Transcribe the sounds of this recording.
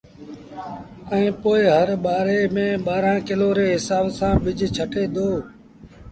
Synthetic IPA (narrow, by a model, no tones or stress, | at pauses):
ɛ̃ːpoːɪɦəɾɓaːɾeːmẽːɓaːɾãːkɪloːɾeːɦɪsaːbsãːʋɪd͡ʒʱt͡ʃʰəʈeːd̪oː